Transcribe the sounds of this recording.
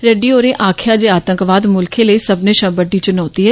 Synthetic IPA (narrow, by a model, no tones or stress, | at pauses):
ɾeɖioːɾẽʔaːkʰjad͡ʒeaːt̪ə̃ŋkʋaːd̪mʊlkʰẽləisɐbnẽʃɐ̃bəɖːit͡ʃʊnaːt̪iɦɛː